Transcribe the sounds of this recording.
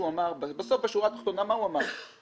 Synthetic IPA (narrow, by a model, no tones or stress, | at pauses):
uamaʁbbesofbeʃuʁat̪aχt̪onamaɦuamaʁ